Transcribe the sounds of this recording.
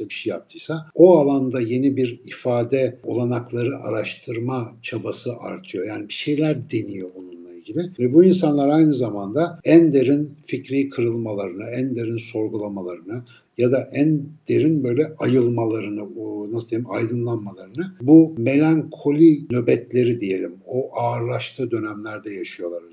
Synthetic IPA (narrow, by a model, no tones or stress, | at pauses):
abiʃeja̰p̚t̪ʰɯjsaoalˠand̪aje̞nibiɾifaːd̪ɛo̞lˠanaklˠaɾɯʔa̰ɾaʃt̪ʰɯɾmat͡ʃʰabasɯʔa̰ɾt̪ʰɯjo̞jaːnibiʃe̞jlʲæɾd̪e̞nijo̞bonunlˠaɾɯɟibɪvɛbuins̬anlˠaɾajnɯzamand̪aænd̪e̞ɾinficɾikʰɯɾɯlˠmalˠaɾɯnɯænd̪e̞ɾinso̞ɾɡulˠamalˠaɾɯnɯ | jad̪aʔænd̪̥eɾinbø̞jlʲɛajɯlˠmalˠaɾɯnɯnaslˠd̪evimajd̪ɯnlˠanmalˠaɾɯnɯbume̞lʲaŋkʰo̞lʲinø̞bɛt̪lʲe̞ɾid̪ije̞lʲimoʔaːɾlˠaʃt̪ʰɯːd̪ø̞næmlʲæɾd̪ɛjaʃɯjo̞lˠaɾ